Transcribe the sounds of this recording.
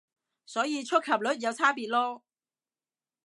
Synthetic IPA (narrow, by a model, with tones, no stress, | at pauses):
sɔː˨˥jiː˨˧t͡ʃʰɵ˥kʰɐ˨˩p̚lɵ˨˥t̚jɐ˨˧wt͡sʰaː˥piː˨t̚lɔː˥